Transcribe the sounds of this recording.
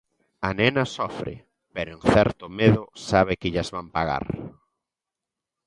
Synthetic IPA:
anɛnasɔfɾɪ̰ | peɾoeŋθɛɾt̪omeðʊsaβɪkɪʎazβampaɣa̰ɾ

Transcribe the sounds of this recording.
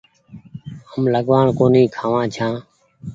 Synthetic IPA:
əmləɠʋaːɳkoːniːkʰaːʋãːt͡ʃʰãː

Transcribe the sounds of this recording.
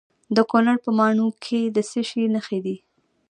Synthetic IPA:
d̪əkonaɽpəmɑɳukʰed̪əseʃinəxed̪i

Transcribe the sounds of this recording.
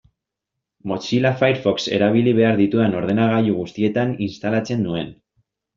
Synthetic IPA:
mo̞t͡ʃilafajɾfo̞kse̞̰ɾaβ̞iliβ̞e̞aɾðit̪ueno̞ɾð̞e̞naɣ̞ajuɣ̞ust̪ie̞t̪aninst̪alat͡se̞nd̪ue̞n

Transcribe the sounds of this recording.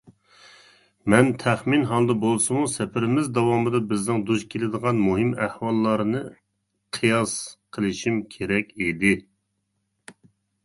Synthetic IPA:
mɛnt̪ʰæχminɦɑlˠd̪ɨbolˠsɨmusɛpʰɪɾɪmɪzd̪ɑwɑmɨd̪ɑbɪznɪŋd̪uʒkʲʰelɪd̪əʁɑnmuɦɪmæhwɑlˠːɑɾnɨ | qʰɨjɑsqʰəlˠɨʃimkʲʰeɾɛkʲid̪ɪ

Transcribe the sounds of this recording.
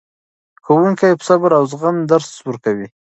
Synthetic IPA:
xawuŋkajpə̥sabɾawzɣand̪aɾswuɾkawi

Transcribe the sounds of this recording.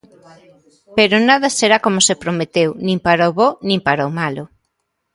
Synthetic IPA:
peɾʊnaðɐseɾakomʊsepɾomet̪ewnĩmpaɾaoβonĩmpaɾaomalʊ

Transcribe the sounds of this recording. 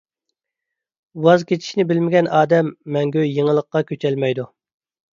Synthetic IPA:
uwɑzkʲet͡ʃʰi̥ʃnɪbɪlmɪɡʲɛnʔɑːd̪ɛmːɛŋɡʲøjeŋəlˠəqːɑkʲøt͡ʃʰɛlmɛjd̪u

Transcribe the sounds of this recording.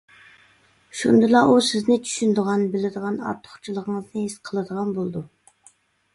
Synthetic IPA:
ʃund̪ɨlˠɑʔusɪznɪt͡ʃʰy̥ʃynd̪əʁɑnbɪlɪd̪əʁɑnɑ̰ɾt̪ʰːə̥χt͡ʃʰilˠəʁəŋəznɨɦɪsqʰəlˠɨd̪əʁɑnbolˠd̪u

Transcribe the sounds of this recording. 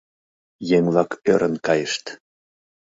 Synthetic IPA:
jeŋvlɑkøɾənkɑjəʃt̪

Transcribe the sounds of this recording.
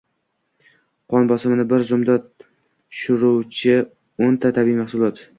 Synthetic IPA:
qʰɒnbɒsɪmnɪbɪɾzʊmd̪a | ʃʊɾuwt͡ʃʰɪ | ont̪ʰat̪ʰabimaχsʊlˠɒt̪

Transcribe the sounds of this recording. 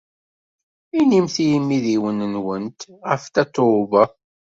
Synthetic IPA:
inimθijəmːiðiwənənwənt̪ʁəft̪æt̪ˤːovə

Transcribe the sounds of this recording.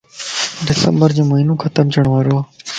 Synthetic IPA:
ɖɪsə̰mbəɾd͡ʒõːmoɦiːnõːkʰət̪əmt͡ʃʰəɳ̃ʋaːɾoː

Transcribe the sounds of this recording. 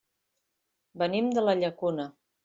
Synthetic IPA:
bənimd̪ələʎəkunə

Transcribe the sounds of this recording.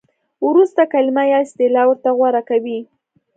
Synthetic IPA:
wɾust̪akalimajɑɪst̪elawəɾt̪aɣwaɾakawi

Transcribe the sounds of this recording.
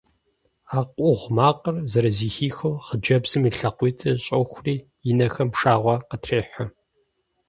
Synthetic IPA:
aːqʷʼʊʁʷmaːqʼərzɐɾɐziːxiːxowχəd͡ʒɐbz̥ɨmiɬɐqʷiːtʰɨɕʼɐxʷriː | jɪnɐxɐmʂaːʁʷɔqətʰreːħʷɐ

